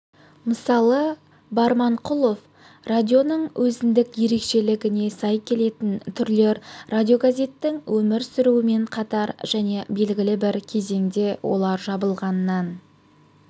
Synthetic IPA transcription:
məsɑlˠə | bɑɾmɑɴqʰʊlˠo̞f | rad̪ʲio̞nəɴwʔɵzɪnd̪ɪkje̞ɾe̞kʃe̞lɪɡʲɪne̞sɑjkʲʰe̞le̞t̪ɪnt̪ʰʏɾle̞ɾradʲijo̞ɡazʲe̞t̪ːɪŋwʔɵmɪɾsʏɾuwɪme̞ɴqʰɑt̪ɑɾʒ̥æne̞be̞lɡʲɪlɪbɪɾkʲʰe̞ze̞ŋd̪e̞wʔo̞̰lˠɑɾʒɑbəlˠʁɑnːɑn

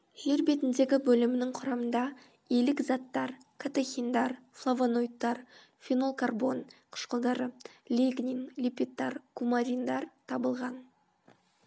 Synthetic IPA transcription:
ʒe̞ɾbe̞t̪ɪnd̪e̞ɡʲɪbɵlɪmɪnɪŋqʰʊɾɑmənd̪ɑ | elɪkzɑt̪ːɑɾ | kʰat̪exʲind̪ɑɾflˠavonojt̪ːɑɾ | fʲinolˠkʰarbo̞nqʰʊ̥ʃqəlˠd̪ɑɾəlʲeɡnʲinlʲipʲet̪ːɑɾɡ̥umaɾʲind̪ɑɾt̪ʰɑbəlˠʁɑn

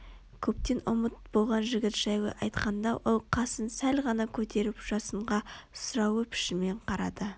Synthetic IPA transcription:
kʲʰɵp̚t̪e̞nʊmət̪̚bo̞lˠʁɑnʒɪɡʲɪt̪ʒ̥ɑjwə̰ʔɑjt̪qɑnd̪ɑwʔolˠqʰɑsənsælʲʁɑnɑkʲʰɵt̪e̞ɾɪpʒ̥ɑsəɴʁɑsʊɾɑwəpʰɪ̥ʃɪme̞ɴqʰɑɾɑ̰d̪ə

